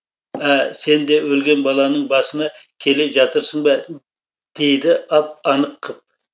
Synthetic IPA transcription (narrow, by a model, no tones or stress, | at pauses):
æse̞nd̪e̞wɵlɡʲe̞nbɑlˠɑnəɴbɑsənɑ | kʲʰe̞lɪʒɑt̪əɾsəɴbɑ | d̪̥e̞jd̪ɪɑp̚ɑnəqʰːəp̚